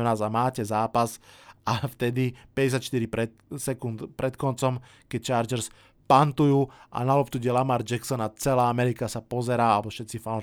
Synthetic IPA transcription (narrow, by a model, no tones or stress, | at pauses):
naːzamaːcɛzaːpasʔaft̪ɛd̪ipɛɟɛs̬jat̪ʃt̪iɾipɾɛt̪sɛkunt̪pɾɛt̪kɔnt͡sɔm | kɛc̚t͡ʃaːɾd͡ʒɛɾs | pant̪ujuːʔa̰nalɔpt̪uɟɛlamaɾd͡ʒɛksɔnat͡sɛlaːamɛɾikasapɔzɛɾaːalɛbɔfʃɛt̪t͡sifa